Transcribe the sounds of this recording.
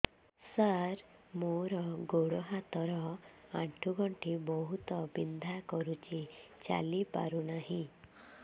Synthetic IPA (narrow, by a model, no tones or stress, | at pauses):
saɾmoɾɔɡoɽɔɦat̪ɔɾɔaʈʰuɡɔɳʈʰibɔɦut̪ɔbind̪ʱakɔɾut͡ʃit͡ʃa̰lipa̰ɾunaɦĩ